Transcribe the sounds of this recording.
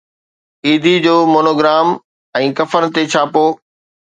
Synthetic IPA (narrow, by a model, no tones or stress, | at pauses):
iːd̪ʱid͡ʑoːmoːnoːɡɾaːm | ɛ̃ːkɐfəɾt̪et͡ɕʰaːpoː